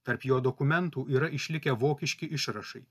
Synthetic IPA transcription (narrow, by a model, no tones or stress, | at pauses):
t̪ɐɾpjoːd̪okʊmʲɛnt̪uːʔiːɾɐʔɪʃʲlʲɪkʲɛʋoːkʲɪʃʲkʲɪʔɪʃɾɐʃɐɪ